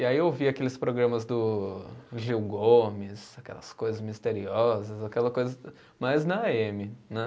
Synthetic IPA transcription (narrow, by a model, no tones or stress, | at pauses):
iaieowviakelɪspɾoɡɾɐ̃mɐzd̪ʊ | ʒiwɡomɪsakɛ̰lɐ̰skojzɐzmist̪eɾiɔzɐzakɛlɐkojzɐ | majznɐemɪnɛ